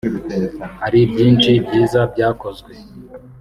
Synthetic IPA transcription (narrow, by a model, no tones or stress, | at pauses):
haɾibjiːnt͡ʃibɟiːzab̚ɟaːko̞zɡwe